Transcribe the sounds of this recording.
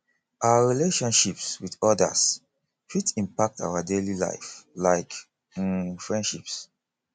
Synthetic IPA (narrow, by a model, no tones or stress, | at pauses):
ʔaʊaɹileʃɔ̃nʃipswidɔda̰s | fitĩmpak̚ta̰wadelila̰ɪflaɪk | fɹɛ̃ndʃips